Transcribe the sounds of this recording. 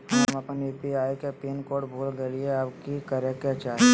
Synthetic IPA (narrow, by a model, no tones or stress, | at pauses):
ɦɐmɐpnjuːpiaːikepiːnkoːʈbʱuːlɡeːlieapkikəɾeket͡ʃaːe